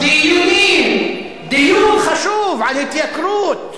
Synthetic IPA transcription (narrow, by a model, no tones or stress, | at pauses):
d̪ijuːniːn | d̪ɪjuːnxaʃuːfʕalet̪ːɪjakɾuːt̪